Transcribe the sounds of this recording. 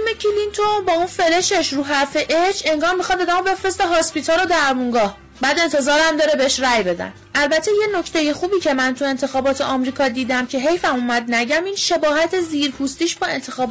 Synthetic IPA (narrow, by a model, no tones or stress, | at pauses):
mecʰilint̪ʰobɒːunfe̞le̞ʃeʃɾuːɦæɾfe̞ʔet͡ʃʰe̞ŋɡɒːɾmixɒd̪ɒːd̪æmo̞be̞fɾe̞st̪eɦɒspit̪ʰɒɾo̞d̪æɾmuŋɡɒːh | bæːd̪e̞nt̪ʰe̞zɒːɾæmd̪ɒːɾebeeʃɾæjbe̞d̪æ̰n | ʔælbæt̪ʰeje̞no̞cʰt̪ʰe̞je̞xuːbiːcʰe̞mænt̪ʰue̞nt̪ʰe̞xɒːbɒːt̪ʰeʔɒmɾiːkʰɒd̪iːd̪æmcʰe̞ɦejfæmumæd̪næɟæmiːnʃe̞bɒːɦæt̪ʰe̞ziːɾpʰuːst̪iːʃbɒe̞nt̪ʰe̞xɒːb